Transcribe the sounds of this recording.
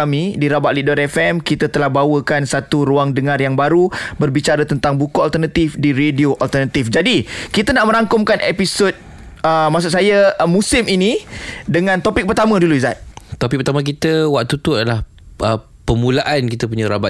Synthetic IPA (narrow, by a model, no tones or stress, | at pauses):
amĩdiɾabaʔ̚lidɔt̪ɛfɛmkit̪at̪əlahbawəkansat̪uɾuaŋdəŋarjaŋbaɾubərbit͡ʃaɾat̪ənt̪aŋbukualt̪ərnat̪ifdiɾedioʔalt̪ərnat̪ifd͡ʒadikit̪ənaʔmə̃ɾaŋkʊmkanʔepisot̪̚ | əmas̬ʊʔsajamũsɪminidəŋãnt̪opɪk̚pərt̪amə̃duluizat̪̚t̪opɪk̚pərt̪amãk̬it̪əwak̚t̪ut̪uadalah | ə | pəmũlaʔankit̪əp̬uɲãɾaba